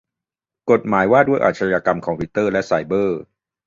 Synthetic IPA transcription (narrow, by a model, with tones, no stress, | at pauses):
ko˨˩t̪̚maː˩˦jwaː˥˩du˥˩əjʔa̰˨˩t̪̚t͡ɕʰa˧jaː˧ka˧mkʰɔː˩˧ŋpʰiː˧˥t̪ɤː˥˩lɛ˦˥ʔsa˧jbɤː˥˩